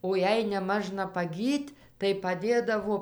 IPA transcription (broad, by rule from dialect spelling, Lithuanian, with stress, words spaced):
oː ˈjɛɪ nʲɛˈmɑːʒnɐ pɐˈɡʲiːtʲ tɐɪ pɐˈdʲeːdɐʋoː